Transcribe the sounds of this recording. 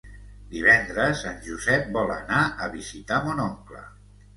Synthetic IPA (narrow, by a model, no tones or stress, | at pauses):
d̪iβ̞ɛnd̪ɾəsanʲʒuzɛp̚bɔlənaəβizit̪amonɔŋklə̰